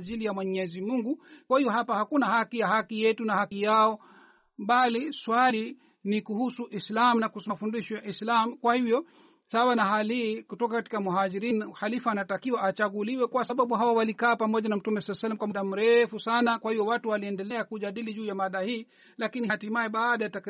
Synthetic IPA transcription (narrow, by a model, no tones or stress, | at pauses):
ʄilijamwɛɲɛzimuŋɡukwahijɔɦapahakunahakijahakijɛtunahakijaɔ | ɓaliswali | nikuhusuʔislamunakusfundiʃɔaʔislamukwahivjɔ | saawanahalihiːkutɔkakati̥kamuɦaʄiɾinhalifuanatakiwaʔat͡ʃaɡuliwɛkuwasaɓaɓuɦawawalikaːpamɔʄanam̩tumɛsalɛsɛlɛm̩kwamaɗam̩ɾɛfusanakwahivɔwatuwaliɛndɛlɛakuʄaɗiliʄuːjamaɗahiː | lakinihatimaɛɓaːɗajatak